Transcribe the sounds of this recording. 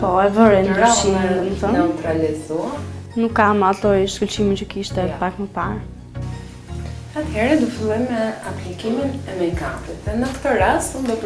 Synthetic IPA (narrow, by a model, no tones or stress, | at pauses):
pɔɛvəɾɛnd̪ʃid̪əmət̪ənɛut̪ɾalizuanukːamat̪ɔjʃkult͡ʃimint͡ɕəkiʃt̪ɛpakməpaɾ | at̪hɛɾɛd̪ufilˠɔjmɛaplikiminɛmɛkat̪it̪ɛnəkt̪əɾasund̪ɔt̪